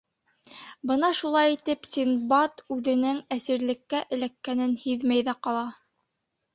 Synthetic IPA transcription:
bɤnɑʃulˠɑjit̪ɘpsʲinbɑt̪ʉðɘ̆nɘŋæsĭɾlɘ̆kːæʔɘ̆lækːænɘnhiðmæjðæqɑlˠɑ

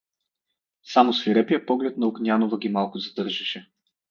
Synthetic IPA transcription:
samosviɾɛpijəpɔɡlɛt̪nɐʊɡnʲjanovɐɡʲimalˠkʊzɐd̪ɤɾʒɐʃɛ

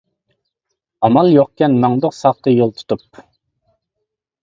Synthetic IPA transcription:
ɑmɑlˠjoq̚kʲɛnmɑŋd̪oqsɑχt̪əjolˠt̪ʰu̥t̪ʰup

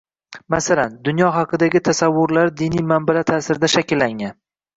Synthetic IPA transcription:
masaland̪ʊnjɒɦɑqɨd̪aɡʲɪt̪ʰasavːʊɾlaɾd̪inijmambalat̪ʰasɪɾɪd̪aʃakʲɪlːaŋan

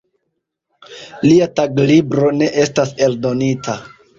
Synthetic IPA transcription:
liataɡlibɾo̞ne̞ʔe̞stase̞ldo̞nitʰa

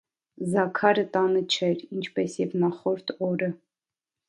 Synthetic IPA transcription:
zɑkʰɑɾət̪ɑnət͡ʃʰɛɾint͡ʃʰpɛsjɛvnɑχɔɾt̪ʰɔɾə

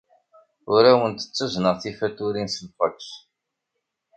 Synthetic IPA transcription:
ʊɾæwənt̪ə̥t͡sːəznəʁθifæt̪ːuɾinsəmfəks

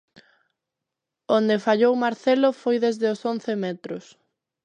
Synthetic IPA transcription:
ond̪efaʎowmaɾθelʊfojðezðeʊsonθemɛt̪ɾʊs

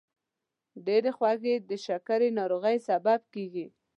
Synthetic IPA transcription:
ɖeɾexwaɣed̪əʃakaɾenɑɾoɣəjsabab̚keɡi

